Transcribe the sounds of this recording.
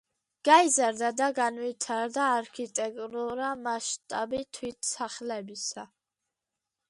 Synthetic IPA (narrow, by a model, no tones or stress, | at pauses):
ɡ̥aizaɾd̪ad̪aɡanvit̪ʰaɾd̪aːɾkʰit̪ʼɛkʼuɾamaʃt̪ʼabit̪ʰwit̪ʰsaχlɛbisa